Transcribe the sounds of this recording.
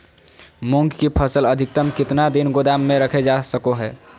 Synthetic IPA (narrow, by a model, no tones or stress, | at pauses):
muŋɡkipʰəsələd̪ʱik̚t̪əmkɪt̪nad̪inɡod̪amːẽɾəkʰed͡ʒasəkoɦɛː